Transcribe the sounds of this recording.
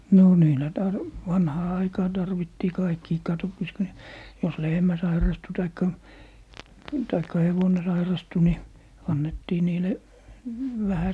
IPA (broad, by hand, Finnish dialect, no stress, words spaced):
no niːlæ tɑr ʋɑnhɑː ɑikɑː tɑrʋitːiː kɑikːiː kɑtopːɑs ku ne jos lehmæ sɑirɑstu tɑikːɑ tɑikːɑ heʋone sɑirɑstu ni ɑnːetːiː niːle ʋæhæ